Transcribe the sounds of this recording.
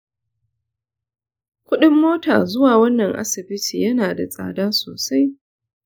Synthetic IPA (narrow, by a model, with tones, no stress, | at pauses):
kʷʊ˦ɗɪ˦mːoː˦ta̰ː˨zʊ˦waː˨wɐ˦nːɐ˨ŋʔa̰˦sɪ˨bɪ˦tiː˨jɐ˦naː˨da˨sʼa̰ː˨daː˦soː˨sa˦j